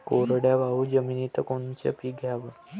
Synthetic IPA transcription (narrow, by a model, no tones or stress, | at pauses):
koɾɽjaʋaud͡ʑəminit̪əkont͡ɕḛpiːɡʱjaʋə